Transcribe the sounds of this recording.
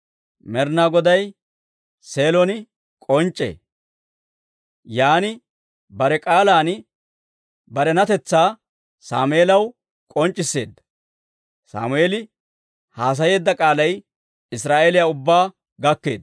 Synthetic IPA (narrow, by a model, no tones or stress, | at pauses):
mɛɾnaɡɔd̪ɐj | se̞ːlɔnɪ | kʼɔnt͡ʃʼːe̞̰ː | jaːnɪ | bɐɾɛkʼaːlaːn | bɐɾɛnɐt̪ɛt͡sːaː | sa̰ːmʊeːlɐw | kʼɔnt͡ʃʼːɪsːe̞̰ːd̪ːɐ̥ | sa̰ːmʊeːlɪ | haːs̬ɐje̞ːd̪ːɐkʼaːlɐj | ɪsɾaːʔeːlɪjaːʊbːaː | ɡɐkːe̞ːd̪